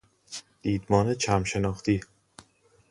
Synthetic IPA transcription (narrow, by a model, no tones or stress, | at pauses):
d̪̥iːd̪mɒːnet͡ʃʰæmʃe̞nɒːxt̪ʰiː